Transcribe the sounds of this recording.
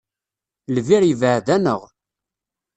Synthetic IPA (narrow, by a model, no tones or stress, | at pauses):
lviɾjəvəʕðænəʁ